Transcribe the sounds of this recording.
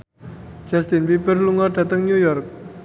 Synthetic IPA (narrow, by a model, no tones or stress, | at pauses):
d͡ʒast̪inpipərluŋarɖat̪aŋɲujɔrk̚